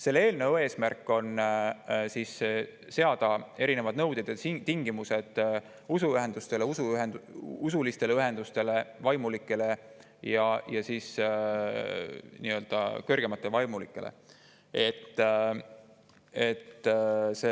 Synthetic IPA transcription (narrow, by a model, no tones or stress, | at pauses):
se̞lːe̞ːlnewe̞ːsmærkːo̞n | siːs | se̞ɑd̪̥ɑe̞ɾine̞vɑd̪̥nɤwd̪̥ed̪̥ɑt̪iŋɡ̥imuse̞d̪̥ | usuyɦe̞nd̪ust̪e̞leusuɦend̪usulist̪e̞leyɦe̞nd̪̥ust̪e̞le̞vɑjmulikːˑe̞le̞ | jɑjɑsiːs | niːø̞ld̪̥ɑ̰kørɡ̥e̞mɑt̪ːˑe̞vɑjmulikːˑe̞̰lʔḛ | e̞t̪ː | e̞t̪ːse